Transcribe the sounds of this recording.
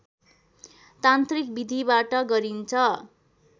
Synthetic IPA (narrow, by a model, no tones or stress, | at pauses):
t̪ant̪rik̚bid̪ʱibaʈʌɡʌɾint͡sʰʌ